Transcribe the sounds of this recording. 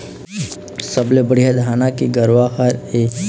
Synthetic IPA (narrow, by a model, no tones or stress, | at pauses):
səblebəɽ̤ijad̪ʱaːnakiɡəɾʋaxəɾe